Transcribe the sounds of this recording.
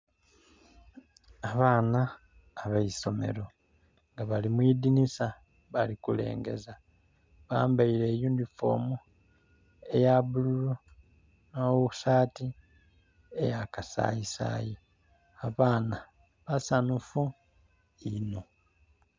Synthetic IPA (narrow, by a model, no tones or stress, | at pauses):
aβaːnaː | βaiso̞me̞̰ɾo̞ | ŋɡaβalimwidinisa | βalikule̞̰ːŋɡe̞̰za | βaːmbaile̞ːjuːndifo̰mu | e̞jaβululo | noːwusaːti | ḛjakasa̰jisa̰ji | aβaːna | βasanufu | ino